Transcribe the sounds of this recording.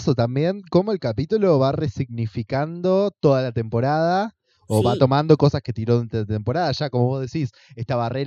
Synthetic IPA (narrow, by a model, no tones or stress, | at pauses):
sot̪ambje̞ŋko̞mo̞elkapit̪ulo̞βaresiɣnifikand̪o̞t̪o̞ðalat̪e̞mpo̞ɾað̞a | oβat̪o̞mãnd̪o̞ko̞saske̞t̪iɾoðt̪t̪empo̞ɾaðaʃakomo̞βozðe̞sis | ehst̪aβareɾ